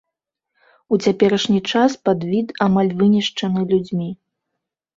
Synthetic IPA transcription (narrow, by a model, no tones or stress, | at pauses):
ut͡sʲapʲɛɾɐʂnʲit͡ʂaspad̪vʲit̪amalʲvɨnʲiʂt͡ʂɐnɨlʲud͡zʲmʲi